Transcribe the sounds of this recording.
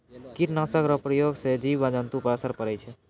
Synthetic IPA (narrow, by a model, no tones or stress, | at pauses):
kiʈnasəkɾəpɾəjoɡsed͡ʒibad͡ʒənt̪upəɾəsəɾpəɾɛt͡ʃʰɛ